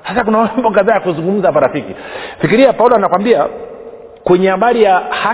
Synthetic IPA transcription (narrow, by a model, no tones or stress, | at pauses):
hasakunamambɔkaðaːjakuzuŋɡum̩zapaɾafikifikiɾiapaulɔanakwambia | kwɛɲɛhaɓaɾijaha